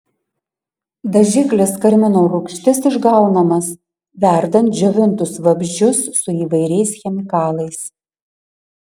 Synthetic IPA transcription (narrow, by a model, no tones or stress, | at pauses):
d̪ɐʒʲɪklʲɪskɐɾʲmʲɪnoːɾʊkʃʲt̪ʲɪsɪʒɡɐʊnɐmɐs | ʋʲæˑɾd̪ɐnt̪̚d͡ʒʲoʋʲɪnt̪ʊsʋɐbʲʒʲd͡ʒʲʊsːʊiːʋɐɪɾʲɛɪsxʲɛmʲɪkɑːlˠɐɪs